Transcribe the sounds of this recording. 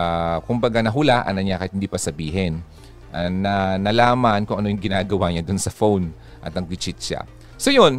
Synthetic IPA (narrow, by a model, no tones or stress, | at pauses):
akʊmbɐɡanɐɦʊlaʔɐ̰nɐɲakɐjɪt̪hɪnd̪iːpɐsɐbiːɦɛn | ʔanɐnɐlaːmɐnkʊŋʔɐno̞jʊŋɡɪnaːɡɐwaɲad̪onsɐfown | ʔɐt̪ɐŋɡɪt͡ʃɪt̪̚ʃa̰ | sojon